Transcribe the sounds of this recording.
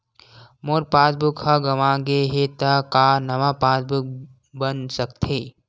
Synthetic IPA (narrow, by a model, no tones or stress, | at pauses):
moɾpaːsbʊkhɐɡɐmãːɡeɦet̪ɐkanɐʋãpaːsbʊk̚ | bənsəkt̪ʰe